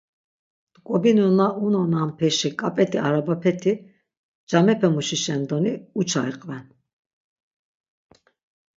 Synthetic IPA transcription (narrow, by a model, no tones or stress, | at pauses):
kʼɔbinunaʔunananpʰɛʃikʼapʼɛt̪ʰiaɾabapʰɛt̪ʰi | d͡ʒamɛpʰɛmuʃiʃɛnd̪ɔniut͡ʃʰaiqʼvɛn